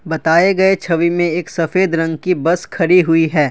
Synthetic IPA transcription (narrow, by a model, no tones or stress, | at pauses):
bɐt̪aːeɡɐet͡ʃʰɐʋimẽeːksɐfeːd̪ɾɐ̃ŋɡkibɐskʰɐɾiɦʊiɦɛː